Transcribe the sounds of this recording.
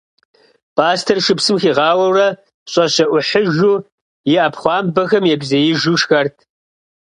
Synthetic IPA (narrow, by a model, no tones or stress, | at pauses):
pʰaːstʰɐrʃɨpsɨmxiːʁɑːwɐwrɐ | ɕʼɐɕɐʔʷʊħəʒuː | jɪʔɐpʰχʷɑːmbɐxɐmjɛbzɐjɪʒuʃxɐrtʰ